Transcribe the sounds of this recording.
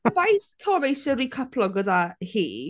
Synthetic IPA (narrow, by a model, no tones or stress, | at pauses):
bajθpʰoːmejsɪɾiːkʰəpʰlˠɔɡədahḭː